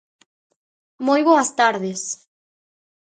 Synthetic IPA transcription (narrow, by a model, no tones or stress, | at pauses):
mojβoɐst̪aɾðɪs